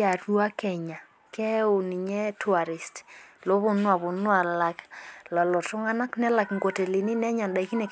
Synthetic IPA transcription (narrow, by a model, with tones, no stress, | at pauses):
a˨ru˦a˦kɛ˨ɲa˨ | kɛ˦o˨ni˨ɲɛ˦tʰwa˨ɾi˨stlo˦βo˨nwa˨βo˨nwa˨la˨klɔ˨lɔ˨tʊ˦ŋa˦na˦knɛ˦la˨kŋɡo˨te˨li˨ni˦nɛ˦ɲa˨nda˨i˦ki˦nɛ˨